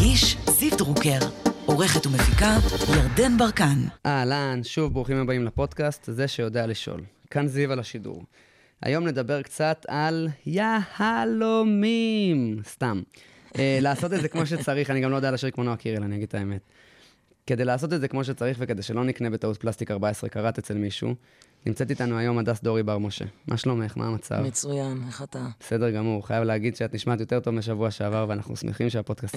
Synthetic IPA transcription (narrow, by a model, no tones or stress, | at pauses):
ʔiʃziftʁukeʁoʁe̞χet̪umefikajaʁd̪enbaʁkanʔalanʃuvbʁuχimabaimlapo̞d̪kast̪ze̞ʃe̞jo̞d̪ealiʃo̰l | kanzivalaʃidṵʁ | ʔa̰jo̞mne̞d̪abe̞ʁkt͡sat̪ʰaljahalomimst̪am | elaːso̞t̪̬edzekmo̞ʃ̬et͡saʁiχaniɡamlojdealaʃiʁikmonoakiʁelanijaɡid̥̪̚t̪ʰaeme̞t | kede̞jlaːso̞t̬edze̞kmo̞ʃ̬et͡saʁiχveke̞d̪ejʃe̞lo̞nikne̞be̞taut̚plast̪ikaʁbaesʁḛkaʁat̪et͡se̞lmiʃṵ | nimt͡se̞t̪it̪anuajo̞madasd̪o̞ʁibaʁmo̞ʃe̞̰mʔa̰ʃlo̞me̞χmʔa̰ːmat͡sa̰vmet͡sujaneχat̪abese̞de̞ʁɡamuʁχajavleːɡid̥ʃeatniʃmaatjo̞te̞ʁt̪o̞vmeʃ̬avuaʃeavaʁveana̰χnṵsmeχimʃeapo̞d̥kast